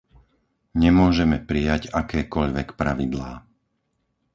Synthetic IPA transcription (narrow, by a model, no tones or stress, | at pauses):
ɲɛmʊɔʒɛmɛpɾijaɟakɛːkɔʎʋɛkpɾaʋid̪laː